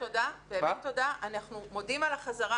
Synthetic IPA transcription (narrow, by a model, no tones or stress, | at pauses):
odaveːmento̞daʔanaχnumo̞dimalaχazaʁa